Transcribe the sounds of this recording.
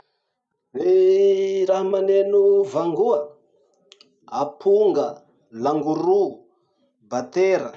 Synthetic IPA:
we | ɾaɦamanenuvaŋɡuə | apʰuŋɡə | laŋɡuɾu | bat̪eɾə

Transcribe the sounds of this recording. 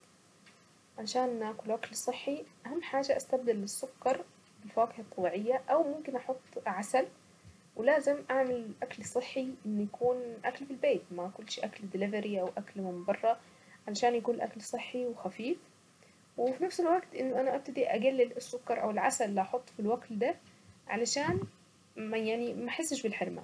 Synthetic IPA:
ʕalaʃaːnʔakʊlʔaklsˤɨħːiʔahamːħaːʒaʔast̪ab̚d̪ɪlːɪsːʊkːɑɾˤ | bɪlfaːqɪhɑt̪ˤːɑbiːʕɪjːaʔawmʊmkɪnʔɑħot̪ˤːʕasal | wɪlaːzɪmʔaʕmɪlʔaklsˤɨħːiʔɪnːjakʰuːnʔaklfilbeːt̪maʔkʊlːʃʔakld̪ɪlɪvaɾiʔawʔaklmɪmbɑrˤːɑ | ʕalaʃaːnjakuːnlʔa̰klsˤɨħːiwɪxafiːf | wɪfinafsɪlwaɡt̪ʔɪnːʊʔanaʔab̚t̪ad̪iʔaɡalːɪlɪsːʊkːɑɾˤʔa̰wɪlʕasalːiʔɑħot̪ˤːfilwaɡld̪aʕa̰laʃaːn | majaʕnimaħɪsːɪʃbɪlħɪɾma̰

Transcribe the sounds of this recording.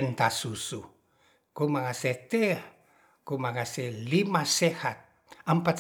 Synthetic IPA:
nt̪asusu | kumakaset̪e | kumakaselimasehat̪̚ | ampat̪

